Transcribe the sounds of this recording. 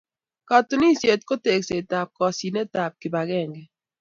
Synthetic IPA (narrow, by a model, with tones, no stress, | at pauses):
ka˨tu˨ni˦sje˨t̚ko˦te˨kse˨ta˨p̚kɔ˨si˨ne˦ta˨p̚ki˨ba˨kɛ˦˨ŋɡɛ˨